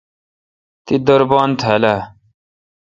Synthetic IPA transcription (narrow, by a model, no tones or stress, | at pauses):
t̪id̪əɾbaːnt̪ʰela